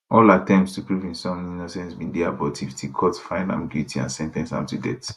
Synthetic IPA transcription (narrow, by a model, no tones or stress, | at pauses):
ʔɔlatɛ̃mpstupɹuvĩnsɔ̃minosɛ̃nsbĩndɛabɔtʰiftʰikʰɔtfãɪ̃nã̰miɡuitʰiã̰nsɛ̃ntɛ̃nsã̰tudɛ̰t